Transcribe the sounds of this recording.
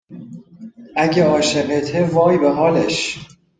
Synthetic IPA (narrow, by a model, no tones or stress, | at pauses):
ʔæɟʲeɒːʃeɢet̪ʰevɒːjbeɦɒːleʃ